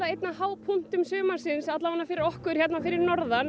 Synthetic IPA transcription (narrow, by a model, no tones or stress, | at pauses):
aejt̪nahaːwpʰun̥t̪ʏmsœːmḁsɪnsat̪lavanːafɪːɾɪɾɔhkʏɾ̥çɛt̪nafɪːɾɪɾnɔɾðan